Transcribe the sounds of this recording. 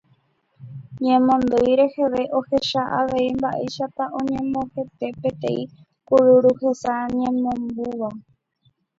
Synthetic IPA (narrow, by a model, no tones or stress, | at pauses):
ɲẽmõnd̪ojɾe̞he̞ʋe̞ʔo̞he̞ʃaʔaʋe̞imbaʔḛjʃat̪aʔõɲẽ̞mõhep̪e̞pẽ̞t̪ẽĩ | kuɾuɾuhe̞saɲẽmõmbuʋa